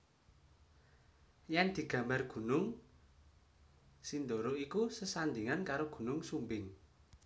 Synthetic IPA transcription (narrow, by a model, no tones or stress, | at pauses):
jɛnd̪̥i̤ɡ̥ä̤mbarɡ̥ṳnʊŋ | sind̪oɾoikusəsand̪iŋankaɾoɡ̥ṳnʊŋsumbɪŋ